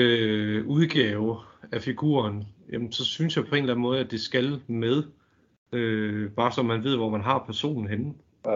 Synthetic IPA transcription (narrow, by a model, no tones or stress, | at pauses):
øuð̞ˠɡ̥ɛːʊæfiɡ̥ṵːɐnjæm̩sɒ̽synsjɑ̈ɪpʰɒ̽e̝nlæn̩mɔ̽ːð̞̩ˠæd̥e̝sɡ̥ælmeð̞ˠ | øb̥ɑ̈ːsɒ̽mænʋe̝ð̞̰ˠʋɒmænɦɑ̈pʰæɐso̝̰ːnn̩ɦen̩